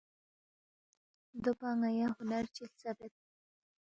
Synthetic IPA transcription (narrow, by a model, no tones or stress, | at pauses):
d̪opaŋajahʊnaɾt͡ʃilt͡sabet̪̚